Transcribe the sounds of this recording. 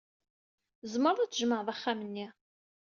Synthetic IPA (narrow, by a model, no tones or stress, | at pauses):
zməɾˤðˤæt͡sːəʒməʕðˤæχːæmənːi